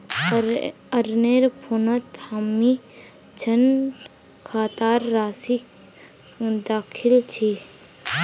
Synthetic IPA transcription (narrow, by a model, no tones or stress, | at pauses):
ɐɾneːɾpʰonət̪hamːi | t͡ʃʰən | kʰaːt̪aːɾːaːsi | d̪aːkʰɪlt͡ʃʰi